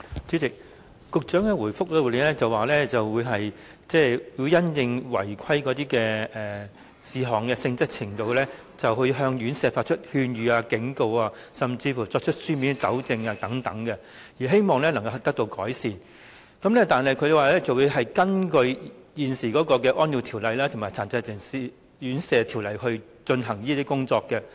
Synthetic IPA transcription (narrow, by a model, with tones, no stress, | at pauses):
t͡syː˨˥t͡sɪ˨k̚ | kʊ˨˧k̚t͡ʃœː˨˥ŋkɛ˧wuː˨˩jfʊ˥k̚lɛ˧˨˩liː˨˧nɛː˥t͡sɐ˨waː˨lɛː˥t͡sɐ˨wwuː˨˧jɦɐ˨j | t͡sɛː˥˩jiː˧wjɐ˥njɪ˧ŋwɐ̰˨˩jkʷʰɐ˥jkɔː˨˥t̪iː˥kɛː˧ɛː˨ | siː˨˧ɦɔː˨˩ŋkɛː˧sɪ˧ŋt͡sɐ˥k̚t͡sʰɪ˨˩ŋt̪o˨wlɛː˥ | t͡sɐ˨whɵ˧jɦœː˧ŋjyː˨˥nsɛː˧faː˧t̚t͡ʃʰɵ˥t̚hyː˧nɥyː˨˧aː˧kɪ˨˥ŋko˧waː˧sɐ˨mt͡siː˧fuː˨˩t͡sɔː˧k̚t͡ʃʰɵ˥t̚syː˥miː˨˥nt̪ɐ˨˥wt͡sɪ˧ŋaː˧t̪ɐ˨˥ŋt̪ɐ˨˥ŋkɛ˧ | jiː˨˩ɦe˥jmɔː˨ŋlɛː˥lɐ˨˩ŋkɐ˧hɐ˨˩t̪ɐ˥k̚t̪o˧wkɔ̰ː˨˥jsiː˨n | kɐ˨˥mnɛː˥t̪aː˨nɦɐ˨jkʰɵ˨˧ɥjɐ˨˧waː˨˩lɛː˥t͡sɐ˨wu˨˧ɦɐ˨jkɐ˥nkɵ˧ɥjiː˨nsiː˨˩kɔː˨˥kɔː˧kɛː˧ʔɔː˥nji˨˧wt̪ʰiː˨˩wlɐ˨jlaː˥t̪ʰʊ˨˩maː˨˩t͡sʰaː˨˧nt͡sɐ˧jt͡sɪ˨ŋsiː˧ | jyː˨˥nsɛː˨˧t̪ʰi˨˩wlɐ˨˩jhɵ˧ɥt͡ʃɵ˧nɦɐ˨˩ŋjiː˥t̪i˥kʊ˥ŋt͡sɔː˧kːɛ˧